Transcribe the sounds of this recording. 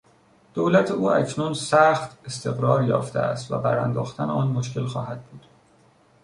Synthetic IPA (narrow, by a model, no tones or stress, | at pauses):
d̪̥oːlæt̪ʰeuːæ̰cʰnunsæxt̪est̪ʰe̞ɣɾɒːɾjɒ̰ːft̪ʰeæ̰st̪væ̰bæɾænd̪ɒːxt̪ʰæneɒːnmoʃ̬ce̞lxɒ̰ːhæd̪̥̚buːd̪̥